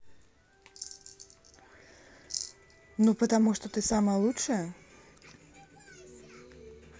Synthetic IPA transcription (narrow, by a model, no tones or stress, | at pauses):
nupət̪amuʂt̪ɔt̪ɨsaməjəlˠutʂɨjə